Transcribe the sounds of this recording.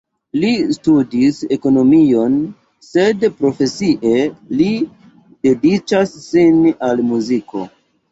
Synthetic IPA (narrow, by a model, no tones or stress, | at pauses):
listudise̞ko̞no̞mio̞n | se̞dpɾo̞fe̞siʔe̞li | de̞dit͡ʃasːinalmuziko̞